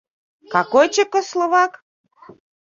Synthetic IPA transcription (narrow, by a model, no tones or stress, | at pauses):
kɑkojt͡ɕĕkŏslˠoβɑk